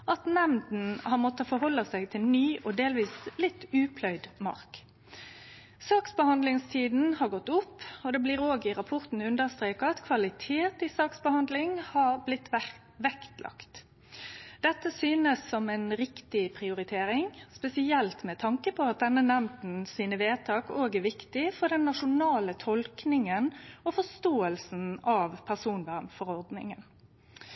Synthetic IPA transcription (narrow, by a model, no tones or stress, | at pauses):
ʔɑt̪nɛmd̪n̩hɑʁmɔt̪ːəfɔɾhɔlːəsæɪɡt̪ʰɪlnyːʔɔd̪eːlʋiːslɪt̪ːʉːpʰlœʏd̪mɑ̰ʁk | sɑːksbəhɑnd̪lɪŋst̪ʰiːd̪n̩hɑʁɡɔt̪ːʊpːɔd̪ɛbliːɾoːɡɪɾɑpʰʊʁt̪n̩ʉnd̪əɾst̪ɾeːkɑɑt̪kʰʋɑlɪt̪ʰeːt̪ɪsɑːksbəhɑnd̪lɪŋhɑɾblɪt̪ʰː | ʋɛkt̪lʔɑ̰kt̪ | d̪̥ɛt̪ːəsyːnəsːɔmɛnɾɪkt̪ɪpʰɾɪʊɾɪt̪ʰeːɾɪŋspɛsɪɛlt̪mɛt̪ʰɑŋkəpʰɔɑt̪̚d̪ɛnːənɛmt̪n̩siːnəʋeːt̪ʰɑːkoːɡæʋɪkt̪ɪfɔʁd̪ɛnːɑʂʊnɑːlət̪ʰɔlknɪŋənɔfɔst̪oːəlsn̩ɑʋpʰæʁsuːnʋæʁmfɔɾɔʁd̪nɪ̰ŋən